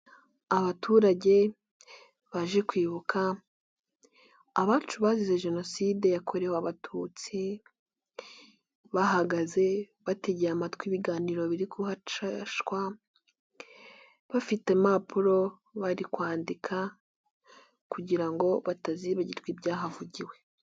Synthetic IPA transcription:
aβatʰuːɾaɟe̞ | βaʒekwiːβukʰa | βaːt͡ʃuβazize̞ʒe̞no̞siːde̞jakʰo̞ɾe̞hoaβatʰut͡si | βaɦaɡaze̞ | βate̞ɟeamatkwiβiɡaːniːɾo̞βiɾikuhaʃkwa | βafite̞mapʰuɾo̞ | βaɾikwaːndikʰa | kuɟiɾaŋɡo̞βataziβaɟiɾɡwibjaːɦavuɟiwe̞

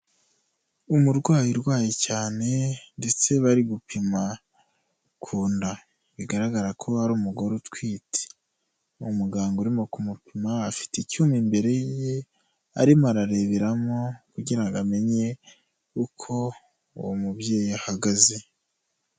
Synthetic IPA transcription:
umuɾɡwaːjiɾɡwaːjicaːne̞nde̞t͡se̞βaɾiɡupima | kʰuːnda | βiɡaɾaɡaɾakʰo̞aɾuːmuɡo̞ɾotwiːtʰe̥ | umuɡaːŋɡuɾimo̞kumupimaːfi̥ticumimbe̞ɾe̞je | a̰ɾimaɾaɾe̞βeɾamo̞kuɟiɾaŋɡame̞ɲe̞ | ukʰo̞ | ṵwomubɟe̞ːjiahaɡaze̞

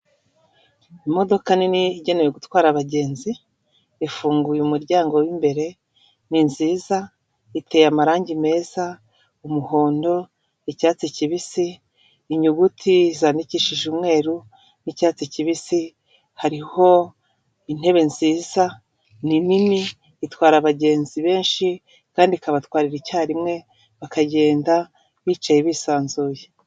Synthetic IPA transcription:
imo̞do̞kaniniɟe̞nejeɡutwaːɾaβaɟe̞ːnzi | efuːŋɡujumuɾɟaːŋɡo̞wimbe̞ɾe̞ | ninziːza | ite̞jamaɾaːɲɟime̞ːza | umuho̞ːndo̞ | ecaːt͡siciβisiː | ɲuɡutʰizaːndiciːʃiʒumŋe̞ːɾu | nicaːt͡siciβisi | haɾiho̞ | in̥he̞βe̞nziːza | ninimiː | twaːɾaβaɟe̞ːnziβe̞ːnʃi | kaːndikaβatwaːɾiɾicaːɾimŋe̞ | βakaɟe̞ːnda | βiːt͡ʃajeβiːsaːnzuːje

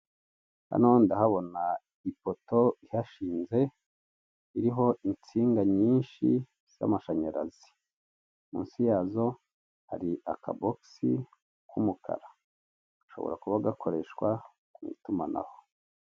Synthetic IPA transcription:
ha̰nondahaβo̞na | ipoto̞ihaʃiːnze̞ | iɾiɦo̞ʔint͡siːŋɡaɲiːnʃi | z̥a̰maʃaɲaɾa̰zi̥ | mṵːnsijaːzo̞ | ha̰ɾia̰kʰa̰boksi | kumukʰa̰ɾa | aʃo̞̰βo̞̰ɾa̰kuβaɡakʰo̞ɾe̞ʃwa | kumḭtumana̰ho

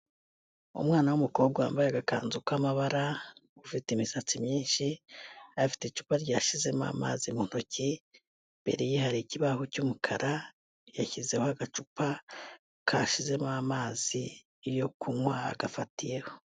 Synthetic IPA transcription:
ṵmŋaːnawumuko̞ːbɡa̰ːmbajaɡakaːnzukwamaβaɾaufitemisat͡simɲiːnʃiafi̥tet͡ʃu̥paɾɟaːʃize̞ma̰ma̰zimun̥oci | mbe̞̰ɾejehaɾiciβahocumukʰaɾa | jaçize̞ho̞aɡat͡ʃupa | kʰaʃize̞mamaːziː | ɾjo̞kʰumwa̰ːɡafatije̞ho̞

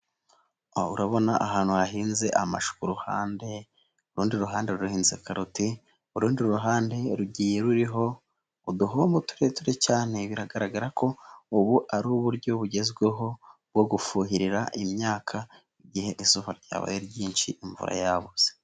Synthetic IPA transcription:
auɾaβo̞naʔaɦaːn̥huhaɦiːnze̞ʔama̰ʃu̥kuɾuhaːnde̞ | uɾuːndiɾuɦaːnde̞ɾuɾuhiːnzekaɾuti | uɾuːndiuɾuɦaːnde̞ɾuɟiːje̞ɾuɾiɦo̞ | uduɦombotu̥ɾetuɾecaːne̞βiɾaɡaɾaɡaɾakʰo̞uβuʔaɾuːβuɾɟo̞βuɟe̞zɡweɦo̞b̚ɡo̞ɡufuːɦiɾiɾa̰ʔimɲaːkʰa | iɟihe̞ʔisuβaɾɟa̰ːβa̰jeɾɟiːnʃḭʔiɱvṵɾa̰jaβuz̥e

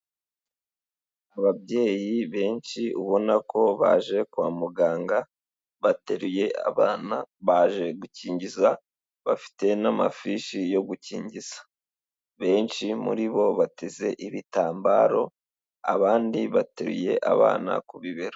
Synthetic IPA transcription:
aβabje̞ːjiβe̞ːnt͡ʃiuβo̞nakʰo̞βa̰ːʒe̞kwaːmuɡaːŋɡa | βateɾuje̞a̰βaːnaβaːʒe̞ɡuciːɲɟiza | βafi̥te̞nama̰fiʃijo̞ɡuciːɲɟiz̥ḁ | βe̞ːnʃimṵɾiβo̞βateze̞ʔiβitaːmbaːɾo̞ | a̰βaːndiβate̞ɾṵje̞̰ʔa̰βa̰ːna̰kuβiβeɾo

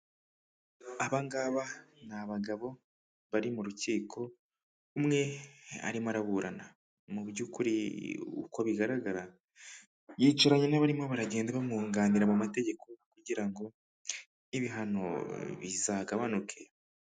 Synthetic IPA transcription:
aβaŋɡaβanaβaɡaβo̞ | βaɾimuɾuciːkʰo̞ | umŋe̞a̰ɾimaɾaβuɾana | mubjuːkuɾḭṵkoβiɡaɾaɡaɾa | jiːt͡ʃaɾaɲenaβaɾimo̞βaɾaɟe̞ːndeβamuːŋɡaːniɾamumate̞ɟe̞kʰo̞kuɟiɾaŋɡo̞ | iβiɦano̞̰βḭzaɡaβanukʰe

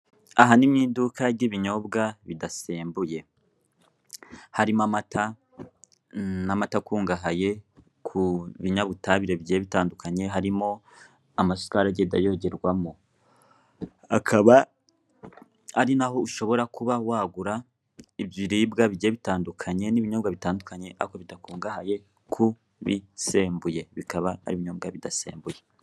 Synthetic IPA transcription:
aɦanimɲiːndukʰaɾɟiβiɲo̞bɡaβidaseːmbuje̞ | haɾimamatʰa | namatakuːŋɡaɦaje̞ | kʰuβiɲaβutaβiɾe̞βiɟieβitaːndukaɲe̞ɦaɾimo̞ | amaskaɾaɟedajo̞ɟeɾɡwamo | akʰaβa | aɾinaɦo̞uʃo̞βo̞ɾakuβawaːɡuɾa | ibjiɾibɡaβiɟieβitaːndukʰaɲe̞niβiɲobɡwaβitaːndukaɲe̞ʔa̰koβidakuːŋɡahaje̞ | kʰu | βise̞ːmbuje̞βikaβaha̰ɾiβiɲob̚ɡaβidasḛːmbuje̞

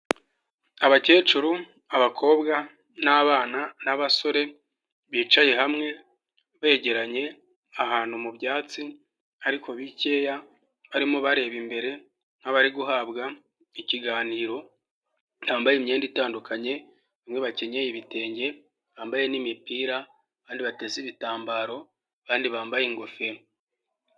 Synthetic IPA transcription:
aβace̞ːt͡ʃuɾu | aβakʰo̞ːbɡa | naβaːnanaβaso̞ɾe̞ | βiːt͡ʃaje̞ɦamŋe̞ | βe̞ːɟe̞ɾaɲe̞ | aɦaːn̥humubjaːt͡si | aɾiko̞βice̞ːja | βaɾimoβaɾe̞βimbe̞ɾe̞ | n̥aβaɾiɡuɦaːβɡa | iciɡaːniːɾo̞ | nhaːmbajimɲe̞ːnditaːndukʰaɲe̞ | βimŋe̞βace̞ɲe̞jiβite̞ːɲɟe̞ | βaːmbajenimipiːɾa | βaːndiβate̞ːziβitaːmbaːɾo̞ | aβaːndiβaːmbajeŋɡofe

